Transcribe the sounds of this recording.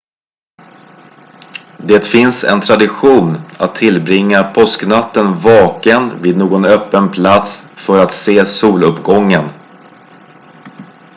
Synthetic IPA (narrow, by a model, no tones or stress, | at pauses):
d̪eːt̪fɪnsɛ̰nt̪ʰɾad̪ɪɧuːna̰t̪ʰːɪlbɾɪŋːapʰɔsknat̪ːənvɑːkənviːd̪noːɡɔnœpːənpʰlat̪sfœɾat̪seːsuːlɵpɡɔŋːən